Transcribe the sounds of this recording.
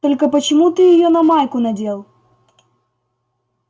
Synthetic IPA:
t̪olʲkɐpɐt͡ɕɪmut̪ɪjɪjonɐmajkʊnɐdʲelˠ

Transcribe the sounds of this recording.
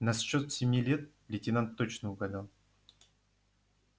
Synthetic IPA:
nɐsɕːot̪sʲɪmʲilʲet̪̚ | lʲɪtʲɪnant̪ːot͡ɕnəʊɡɐlʲan

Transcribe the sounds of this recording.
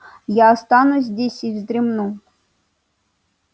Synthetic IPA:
jaːst̪ɑnuzʲzʲdʲesʲivzʲd̪ʲɾʲimnu

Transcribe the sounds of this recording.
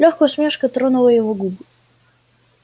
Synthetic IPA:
lʲɔxkɔsʲmʲɛʂkɐt̪ɾɔnulˠɐjɛvɔɡubɨ

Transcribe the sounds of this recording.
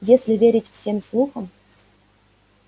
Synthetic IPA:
jesʲlʲɪvʲeɾʲɪtʲfsʲemslˠuxəm

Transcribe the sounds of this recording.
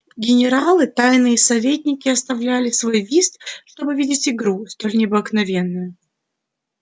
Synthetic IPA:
ɡʲɪnʲɪɾalˠɨt̪ajnɨjəsɐvʲetʲnʲɪkʲɪɐst̪ɐvlʲælʲɪsvo̞jvʲist̪ʂt̪o̞bɨvʲidʲɪtʲɪɡɾust̪o̞lʲnʲɪɐbəknɐvʲe̞nːɨjʊ

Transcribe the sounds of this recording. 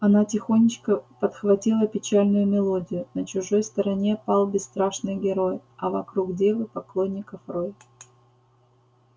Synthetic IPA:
ɐnatʲɪxo̞nʲɪt͡ɕkəpət̪xvɐtʲilˠəpʲɪt͡ɕalʲnʊjʊmʲɪlˠo̞dʲɪjʊnət͡ɕʊʐo̞jst̪əɾɐnʲe̞pɑlˠbʲɪst̪ɾaʂnɨjɡʲɪɾo̞jɐvɐkɾuɡdʲevˠɨpɐklˠo̞nʲːɪkəfroj

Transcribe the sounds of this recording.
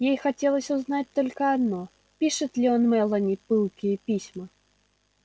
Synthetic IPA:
jejxatʲɛlˠəsʲuznat̚ʲt̪ɔlʲkəad̪nɔ | pʲiʂɨt̪lʲiɔnmɛlˠɐnʲipɨlˠkʲijəpʲisʲmɐ

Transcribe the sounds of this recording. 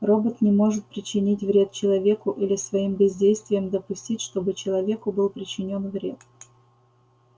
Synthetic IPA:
ro̞bət̪nʲɪmo̞ʐɨt̪̚pɾʲɪt͡ɕːɪnʲitʲvɾʲe̞t̪̚t͡ɕɪlˠɐvʲe̞kʊʔilʲɪsvɐimbʲɪzʲdʲejst̪vʲɪjəmd̪əpʊsʲtʲitʲʂt̪o̞bɨt͡ɕɪlˠɐvʲe̞kʊbɨlˠpɾʲɪt͡ɕːɪnʲo̞nvɾʲet̪

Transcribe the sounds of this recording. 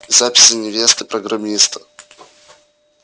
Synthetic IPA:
zapʲɪ̥sʲənʲɪvʲest̪ɨpɾəɡɾɐmʲist̪ə̥

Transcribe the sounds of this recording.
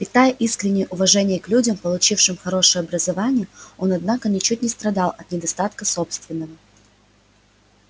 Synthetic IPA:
pʲɪt̪ajəʔiskɾʲɪnʲːɪjəʔʊvɐʐɛnʲɪjəklʲudʲəmpəlˠʊt͡ɕifʂɨmxɐɾo̞ʂɨjəɐbɾəzɐvanʲɪjəo̞nɐd̪nakənʲɪt͡ɕutʲnʲɪst̪ɾɐd̪ɑlˠɐt̪nʲɪd̪ɐst̪at̪kəso̞pst̪vʲɪnːəvə

